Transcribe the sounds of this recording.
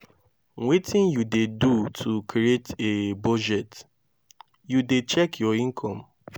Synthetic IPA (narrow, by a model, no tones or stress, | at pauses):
wetʰĩnjudedutʰukʰɾietebɔd͡ʒɛt | judet͡ʃɛkʰjɔĩŋkʰɔ̃m